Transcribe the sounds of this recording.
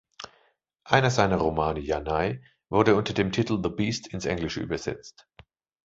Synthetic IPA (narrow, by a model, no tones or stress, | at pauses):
ʔaɪnɐzaɪnɐʁomaːnəjanaɪ | vʊɐdəʊntɐdeːmtʰitl̩ðəbiːstɪnsʔɛ̰ŋlɪʃəʔy̰ːbɐz̥ɛ̰t͡st